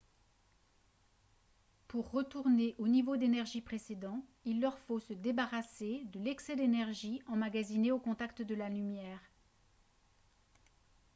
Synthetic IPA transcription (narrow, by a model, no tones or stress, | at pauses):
puʁːət̪uʁneʔonivod̪enɛʁʒipχesed̪ɑ̃ilːœʁfosəd̪ebaʁased̪əlɛksɛd̪enɛʁʒiɑ̃maɡazineokɔ̃t̪akt̪əd̪əlalymjɛːʁ